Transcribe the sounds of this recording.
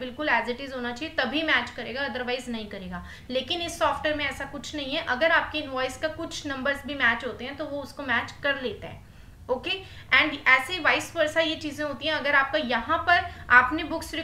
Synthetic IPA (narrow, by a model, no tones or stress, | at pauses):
bɪlkʊlɛːzɪʈɪzɦoːnat͡ʃaːiet̪ɐbʱimɛːt͡ʃkɐɾeːɡaɐd̪əɾʋaːɪznɐɦĩkɐɾeːɡaː | leːkɪnɪsːɔːfʈeːɾmẽɛːsakʊt͡ʃʰnɐɦĩɦɛ̃ʔɐɡəɾaːp̚keɪnʋɔːɪzkakʊt͡ʃʰnɐ̃mbəɾzbʱimɛːt͡ʃɦoːt̪eɦɛ̃t̪oʋoʊskomæːt͡ʃkɐɾleːt̪aɦɛ̰̃ː | oːkeː | ɛ̃ːɳɖɛːseʋaːɪspɐɾsajet͡ʃiːzẽɦoːt̪ĩɦɛ̃ɐɡəɾaːp̚kajɐɦãpɐɾaːpnebʊksɾi